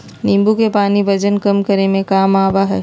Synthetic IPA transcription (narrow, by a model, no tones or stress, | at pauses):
nĩːmbukepaːnibɐd͡ʒənkɐmkɐɾemẽkaːmaːʋaɦɛː